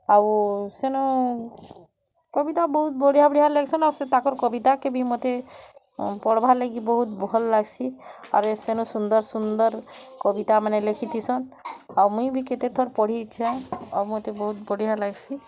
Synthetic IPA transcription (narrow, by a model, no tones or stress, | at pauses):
awsenu | kɔbit̪abɔɦut̪̚bɔɽiɦabɔɽiɦaleɡsɔnawɾset̪akɔɾkɔbit̪akebimot̪e | pɔɽbʱaleɡibɔɦut̪̚bʱɔlːaɡsʰia̰ɾesenusund̪ɔɾsund̪ɔɾkɔbit̪amanelekʰit̪ʰisɔnawmũjbiket̪et̪ʰɔɾpɔɽ̤it͡ʃʰãa̰wmot̪ebɔɦut̪̚bɔɽiɦalaɡsʰi